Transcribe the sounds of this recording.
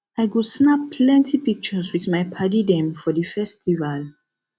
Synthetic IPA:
aɪkudsnappʰːlɛ̃ntʰipik̚t͡ʃɔswiθmajpʰadidɛ̃mfɔdəfɛstival

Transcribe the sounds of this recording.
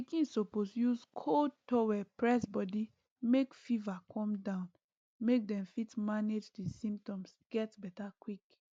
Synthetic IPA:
ikĩnsoposjuskʰotɔwɛpɹɛsbɔdi | mekfivakʰɔ̃mdãʊ̃n | mek̚dɛ̃mfitmaned͡ʒdisĩmptɔ̃msɡ̥ɛtbɛtakwik

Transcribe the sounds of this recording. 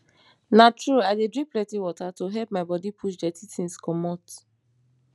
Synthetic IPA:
natɹuadedɹĩplɛtiwɔtatoɦɛlp̚maɪbɔdipʰuʃdɛtʰitĩnskɔmɔt

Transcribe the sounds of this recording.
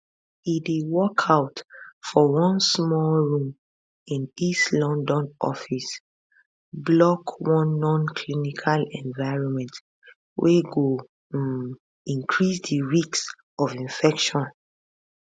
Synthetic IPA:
idewɔkʰaʊtfɔwɔ̃nsmɔɹũm | ĩnistlɔ̃ndɔ̃nʔɔ̰fis | blɔkwɔ̃nːɔ̃nkʰlinikʰalɛ̃ɱvaɪɹɔ̃nmɛ̃nt | wʔeɡo | ĩŋkʰɹisdiɹiks | ɔvĩnfɛkʃɔ̃n

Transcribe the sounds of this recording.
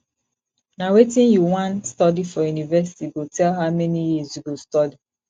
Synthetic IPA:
nawetĩnjuwãnstɔdifɔjunivɛsi̥tiɡotʰɛlɦaʊmɛnijizjuɡostɔdi

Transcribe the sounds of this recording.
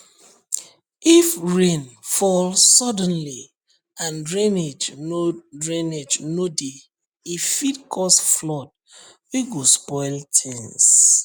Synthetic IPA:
ifɹẽnfɔlsɔdɔ̃nli | ãnɹẽned͡ʒnodɹẽned͡ʒnodeː | fitkʰɔsflɔt̚ | wiɡospɔɪltʰĩŋs

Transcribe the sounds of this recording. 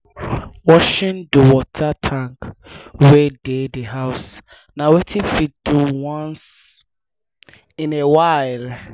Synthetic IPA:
wɔʃɪ̃ndəwɔtʰatʰãŋkwededeɦaʊs | nawetʰifit̚duwɔ̃ns | ĩnewaɪl

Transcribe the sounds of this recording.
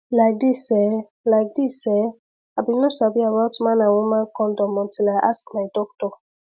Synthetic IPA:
laɪk̚disɛ | laɪk̚disɛ | abinosabiawatmãnawũmãkɔ̃ndɔ̃mɔ̃tʰilaɪʔaskmaɪdɔk̚tɔ

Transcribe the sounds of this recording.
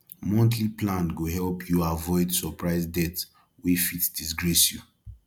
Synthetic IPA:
mɔ̃ntʰliplãnɡoɦɛlpʰjuavɔɪdsɔpʰɹaɪzdɛt | wefitd̥isɡɹɛsju

